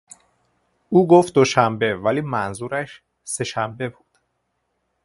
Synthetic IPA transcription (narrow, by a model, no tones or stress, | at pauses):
uːɡoːft̪̚d̪o̞ʃæmbe̞væliːmænzuːɾæʃ | se̞ʃæmbe̞buːd̪̥